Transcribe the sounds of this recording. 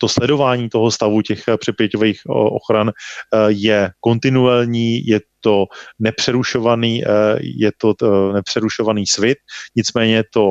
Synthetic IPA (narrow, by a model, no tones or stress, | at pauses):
t̪o̞slɛdo̞vaːɲiːt̪o̞ɦo̞st̪avucɛxpr̥ɛpjɛcovejxʔo̰xɾanjɛko̞nt̪ɪnuɛlɲiːjɛt̪o̞nɛpr̝̥ɛɾuʃo̞vaniːjɛt̪o̞nɛpr̝̥ɛɾuʃo̞vaniːsvɪt̪̚ɲɪt͡smɛːɲɛt̪o̞